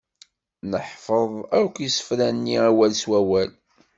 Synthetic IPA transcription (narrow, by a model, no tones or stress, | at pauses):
nəħfəðˤæɾkʷjisə̥fɾænːiæwælswæwæl